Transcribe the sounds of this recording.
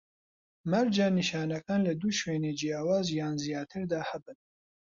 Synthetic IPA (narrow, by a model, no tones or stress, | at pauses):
mɐɾd͡ʒaniʃɑːnɐkʰaːnlɐd̪uʃweːned͡ʒijaːwaːzjaːnzijɑːt̪ʰɨɾd̪aːhɐbɨn